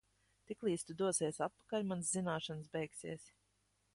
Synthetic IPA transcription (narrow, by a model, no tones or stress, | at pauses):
t̪iklˠiːst̪ud̪uɔsiɛsat̪̚pḁkalʲmanszinaːʃans̬bɛjksiɛs